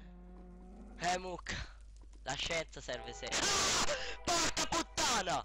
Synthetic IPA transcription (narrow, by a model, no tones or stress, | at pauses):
hɛmukʰːḁ | laʃːɛnt̪sasɛrvese | pɔɾkaput̪ːaːna